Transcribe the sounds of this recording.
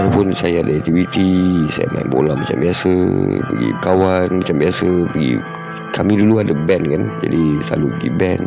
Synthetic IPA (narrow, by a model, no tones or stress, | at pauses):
alapʊnsajadaɛk̚t̪iwit̪isaja̰ma̰ḭmbo̰lamat͡ʃambiasə̰pəɡḭkawanmat͡ʃambiasəpəɡḭ | kʰamĩduluadəbɛnkand͡ʒa̰disa̰lupəɡḭbɛn